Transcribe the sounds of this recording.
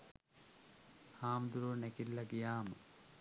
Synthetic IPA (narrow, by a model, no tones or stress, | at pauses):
haːmd̪uɾunækilːɐɡijaːmə